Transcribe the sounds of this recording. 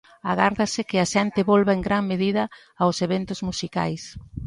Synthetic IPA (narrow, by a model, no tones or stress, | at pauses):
aɣaɾðɐsɪkɪaʃɛnt̪ɪβolβaeŋɡɾaŋmeðiðɐ | awseβɛnt̪ʊzmusika̰js